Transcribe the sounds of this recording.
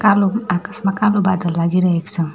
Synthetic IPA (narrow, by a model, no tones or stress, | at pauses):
kaloakasmakalobad̪ʱəɾlaɡiɾəɦekt͡sʰʌ